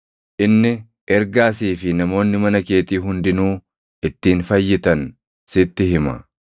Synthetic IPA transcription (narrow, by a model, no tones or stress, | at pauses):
ʔɪnːɪ | ʔɛɾɡaːsiːfɪnɐmo̞ːnːɪmɐnɐke̞ːt̪iːɦʊnd̪ɪnuː | ʔɪt̪ːiːnfɐjːɪt̪ɐn | sɪt̪ːɪɦɪmɐ̰